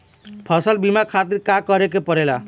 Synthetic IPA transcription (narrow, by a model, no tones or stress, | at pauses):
pʰʌsʌlbimakʰat̪iɾkakɔɾekepɔɾela